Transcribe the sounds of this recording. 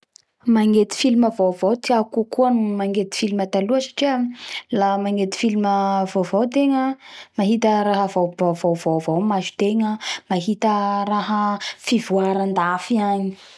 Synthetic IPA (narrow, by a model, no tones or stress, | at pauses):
maŋet̪i̥filiməvovowt̪iakukuanumaŋet̪i̥filimət̪aluəsḁʈ͡ʂiəlamaŋet̪i̥filiməvovowt̪eŋəmaɦit̪əɾaɦəvovovovovowmazi̥t̪eŋəmaɦit̪əɾaɦəfivuaɾand̪afiaɲi̥